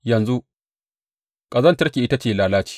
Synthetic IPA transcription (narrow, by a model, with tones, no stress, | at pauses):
jɐ˨nzu˦ | kʼɐ˨zɐ˦ntɐ˦rkʲi˨ʔɪ˦ta˦t͡ʃeː˨laː˨laː˦t͡ʃi̥˨